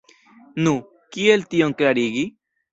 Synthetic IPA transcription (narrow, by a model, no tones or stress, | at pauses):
nu | kielt̪ioŋkɾaɾiɣi